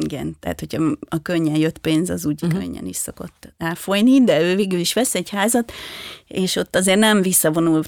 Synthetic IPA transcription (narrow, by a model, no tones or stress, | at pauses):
iɡɛ̰nt̪ɛɦa̰t̪ho̞cʰɒɒkøɲːɛnjø̞t̪ːpeːnzɒ̰zuɟikø̰ɲːɛ̰nḭʃso̞ko̞̰t̪ːɛːlfo̞jnid̪ɛøːveːɡyliʃʋɛsɛɟhaːzɒt̪eːʃo̞t̪ːɒzeːrnɛɱvisːɒvo̞nul